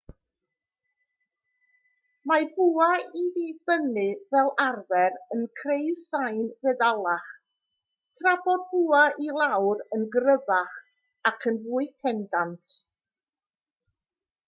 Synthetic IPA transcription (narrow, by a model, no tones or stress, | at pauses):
mabuːaiðib̥ənɨvɛlˠarvɛɾənkʰreɨð̥sajnvɛðalˠaχ | tʰrabɔd̚buːaʔilˠawɾənɡrəvaχ | akʰənvuːɨkʰɛndantʰ